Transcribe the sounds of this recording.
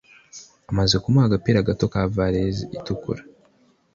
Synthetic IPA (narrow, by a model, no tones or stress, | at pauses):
amaze̞kumaaɡapiɾaɡatokavaɾeziitukṵɾa